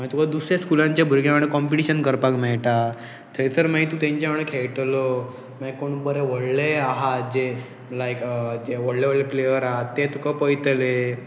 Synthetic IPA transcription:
mait̪ukad̪usɾjaskulãɲt͡ɕjabʱuɾɡjaʋəɽ̃ekɔmpiʈiɕənkəɾpakmɛɭʈa | t̪ʰəsəɾmaɦit̪ũːt̪jãɲt͡ɕjaʋəɽ̃ekʰeɭʈlo | maikoɳbəɾeʋəɽleaɦat̪d͡ʑe | laikd͡ʑeʋəɽleʋəɭleplejəɾaɦat̪ːet̪ukapəjt̪le

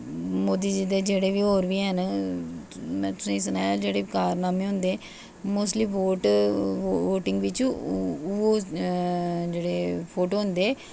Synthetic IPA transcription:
moːd̪iːd͡ʒiːd̪eːd͡ʒeːɽeːʋiːɦoːɾʋiːɦən | mɛ̃ːt̪ʊsãːisənaːjaːd͡ʒeːɽeːkaːɾnaːmẽːɦʊ̃nd̪eː | moːsliːʋoːʈ | ʋoːʈɪŋɡʋɪt͡ʃː | oː | d͡ʒeːɽeːpʰoːʈoːɦʊnd̪eː

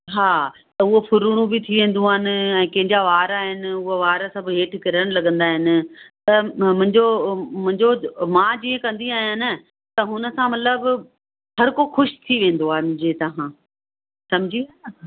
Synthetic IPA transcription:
ɦaːt̪ɐʊɦofʰʊɾuɽ̃ũbɪt̪ʰiʋẽːn̆d̪ũaːɦɪnɪ̆ɛ̃ːkɐ̃ɦɪ̃ɲd͡ʑaʋaːɾaɦɪnɪ̆ʊɦoʋaːɾasɐbʱɦeːʈʰkɐɾəɽ̃lɐɠə̃nd̪aːɦɪnɪ̆t̪ɐmʊ̃ɦɪ̃ɲd͡ʑomʊ̃ɦɪ̃ɲd͡ʑomãːd͡ʑiːẽkɐ̃nd̪iaːɦijãːnə | t̪ɐɦʊnə̆sãmɐt̪ləb | hɐɾkoxʊʃt̪ʰiʋẽːn̆d̪oaːɦemʊ̃ɲd͡ʑet̪ɐɦãː | sɐmɪd͡ʑʱiaː

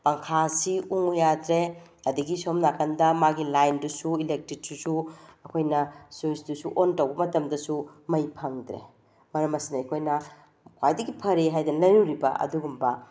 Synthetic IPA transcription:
pɐŋkʰasiuŋujadɾe | ɐdiɡisomnakɐndɐmaɡilajndusuilek̚tɾit̚susuɐkʰojnɐsosdusuʔontɐwbɐmɐtɐmdɐsumɐjpʰɐŋdɾḛ | mɐɾɐmɐsinɐɐkʰojnɐ | kʰajdɐɡipʰɐɾeɦajdɐnlɐjɾuɾibɐʔɐ̰duɡumbɐ

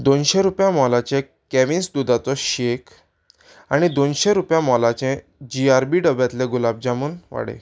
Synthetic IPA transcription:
d̪onɕeɾupjãmɔlat͡ɕẽ | kɛʋinsd̪ud̪at͡sɔɕek | aɽ̃id̪onɕeɾupjãmɔlat͡ɕɛ̃ | d͡ʑiaɾbiɖəbjat̪lẽɡulab̚d͡ʑamuːnʋa̰ɽḛ̃

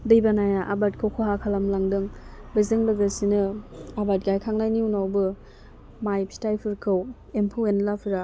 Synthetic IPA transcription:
dɯjbanajaʔabat̚kʰowkʰoɦakʰalamlaŋdɯŋbɯzɯŋbɯɡɯsinɯabat̚ɡajkʰaŋlajniunawbɯ | majpʰi̥stajpʰɯɾkʰɯw | empʰɯwenlapʰiɾa

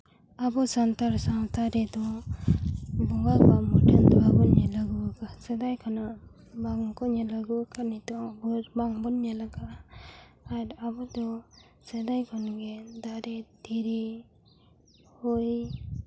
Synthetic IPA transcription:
abɔsant̪aɾsawt̪aɾɛd̪ɔ | bɔɡabamɔʈʰɛnd̪ɔabɔɲɛlaɡuakasɛd̪ajkʰɔna | baŋkɔɲɛlaɡukʰanit̪ɔbɔɾbaŋbɔnɲɛlaɡa | aɾabɔd̪ɔ | sɛd̪ajkʰɔnɡɛd̪aɾɛd̪iɾi | hɔj

